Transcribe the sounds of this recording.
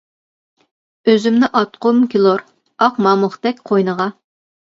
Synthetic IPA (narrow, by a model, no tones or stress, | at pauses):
øzymnɪʔɑt̪qʰomkʲʰilˠoɾ | ɑqmɑːmʊχt̪ɛkʲqʰojnəʁɑ